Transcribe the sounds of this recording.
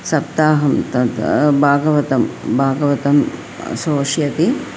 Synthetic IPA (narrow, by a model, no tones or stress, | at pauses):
sɐpt̪aːɦɐmt̪ɐt̪bʱaːɡɐʋɐt̪ɐmbʱaːɡɐʋɐt̪ɐm | soːʂjɐt̪i